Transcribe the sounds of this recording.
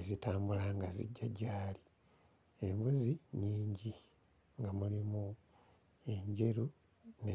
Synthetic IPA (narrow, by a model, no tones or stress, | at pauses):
ezitaːmbulaŋɡazḭɟːaɟaːli | e̞mbuziɲiːɲɟi | ŋɡamulimu | e̞ɲɟe̞ɾu | ne